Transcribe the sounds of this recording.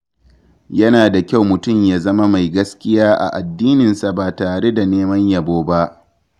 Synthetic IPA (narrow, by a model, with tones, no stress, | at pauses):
jɐ˦naː˨da˨kʲa˦wmʊ˨tʊ˦˨mjaː˦zɐ˦ma˦ma˨jɡɐ˦skʲɪ˦jaː˦ʔa̰˨ʔa˨dːiː˦nɪ˨nsa˨baː˨taː˨ɽe˦da˨neː˦mɐ˦ɲjɐ˨boː˦ba˦ʔ